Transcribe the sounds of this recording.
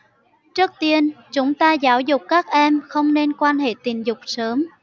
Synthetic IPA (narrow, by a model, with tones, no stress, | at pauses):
t͡ɕɨ˦˥k̚t̪i˧ənt͡ɕʊ˨˦ŋ͡mt̪aː˧zaː˨˦wzʊ˨˩k͡p̚kaː˦˥k̚ʔɛ˧mxə˧wŋ͡mne˧nkwaː˧nɦḛ˧˨t̪i˨˩nzʊ˨˩k͡p̚səː˨˦m